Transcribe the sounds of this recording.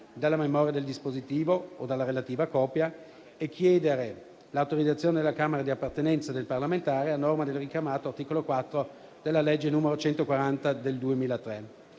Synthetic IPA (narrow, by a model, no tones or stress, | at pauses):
d̪alːamemɔːɾjad̪eld̪ispozit̪iːvood̪alːaɾelat̪iːvakɔːpja | ekʰːjɛːd̪eɾe | laːwt̪oɾid̪zat̪sjoːned̪elːakaːmeɾad̪iapːart̪enɛnt̪sad̪elparlament̪aːɾeanormad̪elrikjamaːt̪oart̪iːkolokwat̪ːɾo | d̪̥elːaled͡ʒːenuːmeɾot͡ʃɛnt̪okwaɾant̪ad̪eld̪uemiːlat̪ɾɛ